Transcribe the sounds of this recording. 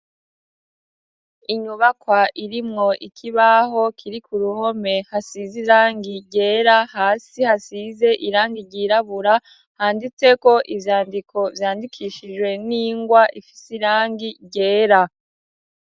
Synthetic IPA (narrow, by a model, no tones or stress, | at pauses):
iɲuβakwaʔiɾimŋo̞ʔikʰiβaɦo̞kʰiɾikuɾuho̞me̞hasiziɾaːŋɡiɟe̞ːɾahaːsihasize̞ʔiɾaːŋɡiɾɟiːɾaβuɾa | haːndit͡se̞ko̞ʔivjaːndikʰo̞vjaːndikʰiːʃiʒwe̞niːŋɡwaʔifi̥siɾaːŋɡiɟe̞ːɾa